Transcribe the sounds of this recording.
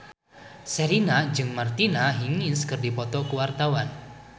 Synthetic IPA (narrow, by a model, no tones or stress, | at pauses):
sɛɾinad͡ʒɨŋmart̪inaɦiŋɪnskɨrdipɔt̪ɔkuwart̪awan